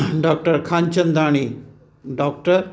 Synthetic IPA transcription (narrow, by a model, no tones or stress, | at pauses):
ɖɔk̚ʈəɾkʰãɲt͡ɕə̃nd̪ɾaːɽ̃i | ɖɔk̚ʈəɾ